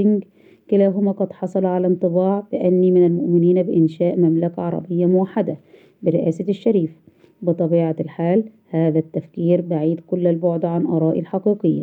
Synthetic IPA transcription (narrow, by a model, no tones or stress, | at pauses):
ɪŋɡ | kɪlæːɦʊmæːqɑd̪ħɑsˤɑlʕalænt̪ˤɨbɑːʕbɪʔanːimɪnalmʊʔmɪniːnbɪʔɪnʃæːʔmamlakaʕɑɾˤɑ̰bɪjːamʊwaħːad̪a | bɪɾɪʔæːsaʃːaɾiːf | bɨt̪ˤɑbiːʕalħaːl | haːðæt̪ːæfkiːɾbaʕiːd̪kʊlːalboʕd̪ʕanʔɑɾˤɑːʔilħɑqiːqɪjːa̰